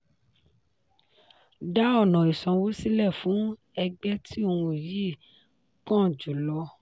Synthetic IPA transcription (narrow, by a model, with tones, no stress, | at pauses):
da˦ɔ˦˨nɔ̃˨i˨sɔ̃˨wo˦si˦lɛ˦˨fũ˨˦ | ɛ˧ɡ͡bɛ˦tʰi˦o˧ũ˧˨ji˦˨ | kã˦˨d͡ʒu˨lɔ˧